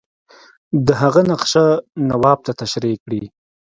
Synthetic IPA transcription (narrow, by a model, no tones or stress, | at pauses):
d̪əɦaɣanaqʃanawɑb̚t̪at̪aʃɾikɽi